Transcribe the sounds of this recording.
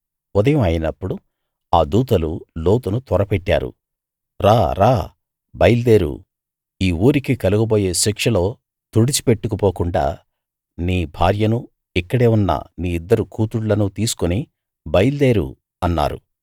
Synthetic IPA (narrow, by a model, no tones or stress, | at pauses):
ɔd̪ɐjɐmɐjinɐpːuɽu | aːd̪uːt̪ɐluloːt̪ɐnut̪ɔɾɐpɛʈːa̰ːɾṵ | ɾaːɾaː | bɐjld̪e̞ːɾṵ | iːuːɾikikɐluɡɐbo̞ːje̞ːʃikʂɐlo̞ː | t̪uɽit͡ʃi̥pe̞ʈːukupoːkuɳɖa̰ː | niːbʱa̰ːɾjɐnu | ikːɐɽe̞ːunːɐ̰niːid̪ːɐɾukuːt̪uɽlɐnut̪iːsu̥koni | bɐjld̪e̞ːɾṵ | ɐnːa̰ːɾṵ